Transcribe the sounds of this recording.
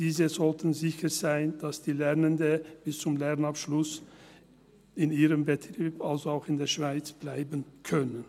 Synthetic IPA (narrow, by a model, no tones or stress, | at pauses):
d̥iːzəzɔltn̩zɪçəz̥aɪnd̥asd̥iːlɛʁnəndəb̥ɪst͡sʊmlɛʁnapʃlʊs | ɪniːʁəmbətʁ̥iːpalzoaʊxɪndeːɐʃv̥aɪt͡sb̥laɪbənkʰœnən